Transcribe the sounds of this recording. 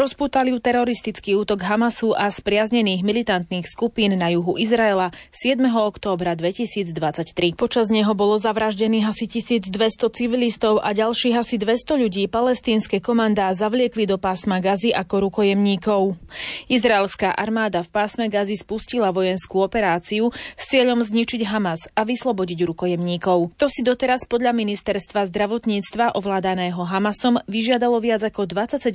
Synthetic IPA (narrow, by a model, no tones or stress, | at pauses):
ɾɔspuːt̪aliʊt̪ɛɾɔɾist̪it͡skiːuːt̪ɔɡɦamasuʔaspɾɪazɲɛniːɣmilit̪ant̪niːxskupiːnːajuɦuʔizɾaɛlasɪɛd̪mɛɦɔɔkt̪ɔːbɾad̪ʋɛcisiːd͡zd̪ʋat͡sact̪ɾipɔt͡ʃazɲɛɦɔbɔlɔzaʋɾaʒɟɛniːɦasicisiːd͡zd̪ʋɛst̪ɔt͡siʋilist̪ɔʊʔaɟalʃiːɣasid̪ʋɛst̪ɔʎuɟiːpalɛst̪iːnskɛkɔmand̪aːzaʋlɪɛklid̪ɔpaːsmaɡaziʔakɔɾukɔjɛmɲiːkɔʊizɾaɛlskaːʔaɾmaːd̪afpaːsmɛɡazispuscilaʋɔjɛnskuːɔpɛɾaːt͡siust͡sɪɛʎɔmzɲit͡ʃiɟɦamasaʋislˠɔbɔɟiɟɾukɔjɛmɲiːkɔʊt̪ɔsid̪ɔt̪ɛɾaspɔd̪ʎaminist̪ɛɾst̪ʋazd̪ɾaʋɔt̪ɲiːt͡st̪ʋaʔɔʋlaːd̪anɛːɦɔɦamasɔmʋiʒɪad̪alɔʋɪad͡zakɔd̪ʋat͡sːacsɛɟ